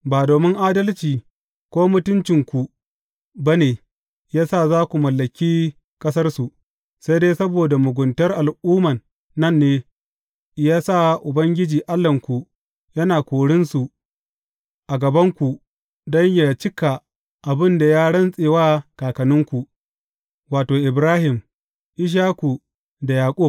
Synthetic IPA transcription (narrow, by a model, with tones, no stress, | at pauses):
baː˨doː˨mɪ˦ŋʔaː˦dɐ˦lt͡ʃiː˨ | kʷoː˦mʊ˦tʊ˦nt͡ʃɪ˨ŋkʷu˨ | ba˦neː˨ | jaː˦sa˦˨zaː˦kʷu˨mɐ˨lːɐ˨kʲiː˦ | kʼɐ˦s̬ɐ˦rsu˨ | sa˦jdeː˦sɐ˦boː˨da˨mʊ˨ɡʷʊ˨ntɐ˦rʔa˨lʔuː˦mɐ˨nː | ɐ˦˨nːeː˦ | jaː˦sa˦˨ʔʊ˨bɐ˦ŋɡʲɪ˦d͡ʒiː˨ʔa˦lːɐ˨ŋkʷu˨ | jɐ˦naː˨kʷoː˨ɽɪ˦nsu˨ | ʔa˨ɡɐ˨bɐ˦ŋkʷu˨ | dɐ˦ɲja˨t͡ʃɪ˦ka˨ | ʔa˨bɪ˦nda˨jaː˦ɽɐ˦nsʼeː˨waː˦kaː˨kɐ˨nʊ˦ŋkʷu˨ | waː˨toː˨ʔɪ˨bɾaː˦hɪ˨m | ʔɪ˦ʃ̬aː˦ku˨ | da˨jaː˨kʷʼʊ˦˨